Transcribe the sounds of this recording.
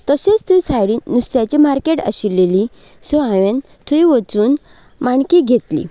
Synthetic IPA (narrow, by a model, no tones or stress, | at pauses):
t̪əset͡st̪ʰusajɽinust̪jat͡ɕimaɾkeʈə̰ɕilːeli | soaʋẽn | t̪ʰuiʋət͡suːn | maɳkiɡʱet̪lḭ